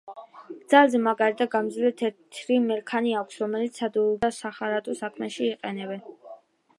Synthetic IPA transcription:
d̪z̥alˠzɛmaɡaɾit̪ʰaɡamd̪zlɛt̪ʰɛɾt̪ʰɾimɛɾkʰaniakʷʰsɾɔmɛlit̪sʰad̪uud̪asaχaɾat̪ʼɔsakʰmɛʃiːqʼɛnɛbɛn

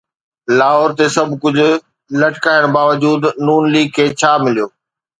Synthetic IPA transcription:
laːɦɔːɾt̪esɐbʱkʊd͡ʑʱʊ̆ | lɐʈkaːɪəɽ̃baːʋəd͡ʑuːd̪nuːnliːɡ̚kʰeːt͡ɕʰaːmɪlijoː

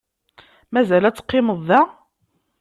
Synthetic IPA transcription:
mæzælæt͡sːə̥qːɪməðˤːæ

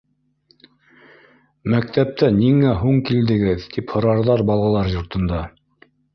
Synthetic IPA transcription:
mæk̚t̪æp̚t̪ʰæniŋæɦuɴkild̪ɘ̆ɡɘðt̪iphŏɾɑɾðɑɾbɑlˠʁɑlˠɑɾjŏɾt̪ɤ̆nd̪ɑ

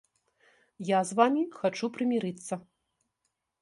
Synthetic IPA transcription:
jazvamʲixat͡ʂupɾɨmʲiɾɨt̪sːɐ

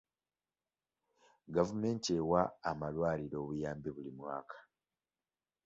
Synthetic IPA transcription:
ɡavume̞ːntewaːmalwaːliɾo̞ːβujaːmbiβulimwaːkʰḁ

